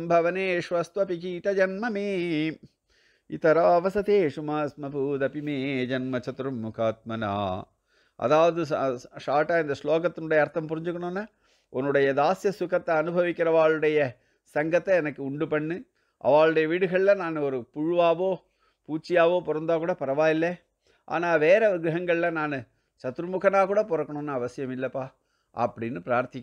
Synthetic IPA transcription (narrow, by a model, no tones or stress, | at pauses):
mbʱɐʋɐneːʂʋɐst̪ʋɐpikit̪ɐd͡ʒɐnmɐmeː | it̪ɐɾaːɐʋɐsɐt̪eːʂʊmaːsmɐpuːd̪ɐpimeːd͡ʒɐnmɐt͡ʃɐt̪ɾumːʊkʰaːt̪̚mɐna̰ː | ɐ̰ðaːʋɐðɯʂaːʈːaːɪnd̪ɐsloːkɐt̪ːɪnʊɽɐjɐːɾt̪ːɐmpʊɾɪɲd͡ʒɯkːɐnõːnːaː | ɔnːɯɽɐjɐd̪aːsjɐsʊkɐt̪ːɐɐnɯbʱɐʋɪkːɪɾɐʋaːɭɯɽɐjɐ | sɐŋɡɐt̪ːɛɛnɐkːɯʊɳɖɯpɐɳːɯ | ʔɐ̰ʋaːɭɯɽɐjɐʋiːɽɯɣɐɭɪlɐ̃naːnɔɾɯpʊɻɯʋaːʋoː | puːt͡ʃːɪjaːʋoːpɔɾɐnd̪aːkuːɽɐpɐɾɐʋaːɪlːɛ | ʔa̰ːnaːʋeːɾɛʋɪɡɾɐɦɐŋɡɐɭɪlɐ̃naːnɯ | t͡ʃɐt̪ːɾɯmʊkɐnaːkuːɽɐpɔɾɐkːɐɳõːnːaɐʋɐsɪjɐmɪlːɐpːaː | ʔɐ̰pːɐɽɪnːɯpɪɾaːɾt̪ɪkː